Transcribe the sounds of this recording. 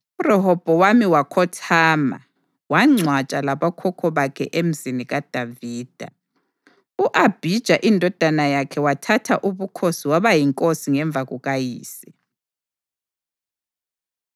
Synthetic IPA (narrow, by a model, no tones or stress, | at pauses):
urɛɦɔb̥ʱɔwamiwakʰɔtʰaːma̰ | waŋ͡ǀʱwat͡ʃʼalaβakʰɔkʰɔβakʰɛ̰ʔem̩ziniɣad̥ʱaviːd̥ʱa̰ | uʔab̥ʱid̥ʒ̥ʱaʔindʱɔd̥ʱanajakʰɛwatʰatʰaʔuβukʰosiwaβajiŋkʼosiŋɛɱb̪vʱaɣuɣajiːsɛ̥